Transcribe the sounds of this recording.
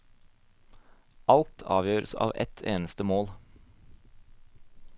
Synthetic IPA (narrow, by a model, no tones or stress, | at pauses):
ʔɑlt̪ʰɑ̰ːʋjøːɾəsɑ̰ːʋɛ̰t̪ʰeːnəst̪əmoːl